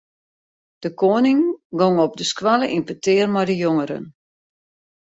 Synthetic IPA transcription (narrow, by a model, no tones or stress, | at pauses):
d̥əkʰoːnɪŋɡɔŋɔp̚dəskʋalˠəʔinpətɪːrmajdəjoŋəɾə̰n